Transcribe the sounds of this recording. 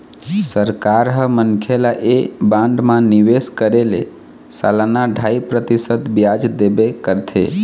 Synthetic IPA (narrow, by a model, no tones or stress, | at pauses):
səɾkaɾɦəmənkʰelaʔebãɳɖmãniʋeskəɾelḛ | sa̰lanaɖʱaipɾət̪isət̪bjad͡ʒd̪ebekəɾt̪ʰḛ